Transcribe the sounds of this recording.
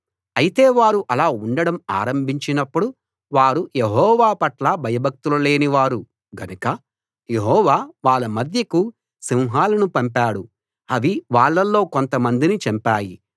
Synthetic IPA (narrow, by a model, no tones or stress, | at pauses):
ɐjit̪e̞ːʋaːɾuʔɐlaːuɳɖɐɽɐma̰ːɾɐmbʱiɲt͡ʃinɐpːuɽu | ʋaːɾujeɦɔːʋaːpɐʈlɐbʱɐjɐbʱɐk̚t̪ulɐle̞ːniʋaːɾu | ɡɐnukɐ | jeɦɔːʋaːʋaːɭːɐmɐd̪ʱjɐku | siwɦaːlɐnupɐmpaːɽu | ɐʋiʋaːɭːɐlːo̞ːko̞nt̪ɐmɐnd̪init͡ʃɐmpaːji